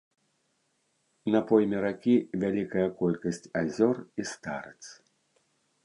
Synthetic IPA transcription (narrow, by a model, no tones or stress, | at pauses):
nɐpɔjmʲɛɾakʲivʲalʲikɐjɐkɔlʲkɐsʲt͡sʲazʲɔrist̪a̰ɾɨt̪s